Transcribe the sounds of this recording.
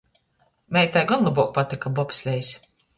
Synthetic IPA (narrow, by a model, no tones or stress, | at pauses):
mʲɛjt̪ajɡɔnlˠabuɔk̚pat̪ikabɔpsʲlʲɛjsʲ